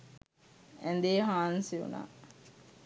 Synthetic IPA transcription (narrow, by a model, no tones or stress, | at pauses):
ænd̪eːɦaːnsiṵna̰ː